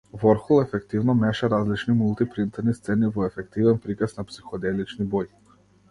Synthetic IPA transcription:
vɔɾxulˠɛfɛkt̪ivnɔmɛʃaɾazlit͡ʃnimulˠt̪ipɾint̪ɛɾnist̪sɛnivɔɛfɛk̚t̪ivɛnpɾikasnapsixɔd̪ɛlit͡ʃnibɔj

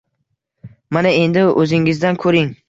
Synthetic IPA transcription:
manae̞nd̪ɪʔɵzɪŋɪzd̪ankʰɵɾɪŋ

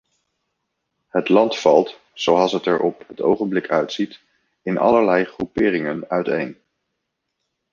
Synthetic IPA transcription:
ɦətlɑntfɑlˠt | z̥owɑlˠsɦətɛɹʔɔpɦəto̰wχənblɪkʰœɥtsit | ɪnʔɑ̰ləɹlɛjχrupɪːrɪŋənœɥtḛjn

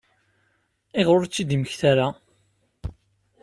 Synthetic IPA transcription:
eʁoɾt͡sːid̪iməçθaɾa

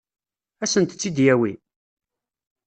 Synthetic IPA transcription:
æsənt̪t͡sːid̪jæwi

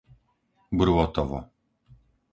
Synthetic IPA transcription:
bɾwɔt̪ɔvɔ̰

